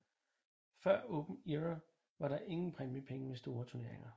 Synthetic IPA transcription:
fɶɐ̰ɔ̽ːb̥m̩iʁɐ | ʋɑ̈ɾɑ̈ʔe̝ŋn̩pʰʁɛmjəpʰeŋəmesd̥o̝ːɐt͡sʰuɐne̝̰ɐ̰eŋɐ

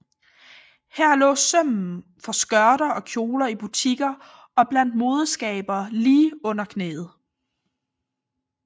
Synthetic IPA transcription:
hæɐ̰lɔ̰̽ːsœm̰n̩fɒ̽sɡ̥ɶɐɾɐʔɒ̽kʰjo̝ːlɐib̥ut͡sʰiɡ̥ɐ | ɒ̽b̥læn̰d̥̚mo̝ːðˠəsɡ̥ɛ̰ːb̥ɐːliːɔ̽n̰ɐkʰne̝̰ːð̩ˠ

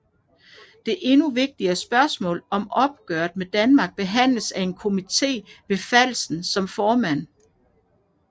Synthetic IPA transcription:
d̥e̝ʔe̝nuʋe̝ɡ̥̚d̥iɐsb̥ɶɐsmɔ̰̽ːlɒ̽mɒ̽b̥̚ɡ̥œɐd̥med̥ænmɑ̈ɡ̥̚b̥e̝ɦæn̰ləsæe̝nkʰo̝mit͡sʰe̝̰ːʋe̝fæl̰sn̩sɒ̽mfɒːmæn̰

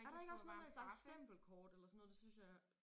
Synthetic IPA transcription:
æɐɾɑ̈e̝ɡ̥ɒsnɔ̽ðˠme̥sɑ̈sd̥em̰b̥l̩kʰɒːd̥elɐsɔnːɔð̥ˠsynsjɑ̈ɪ

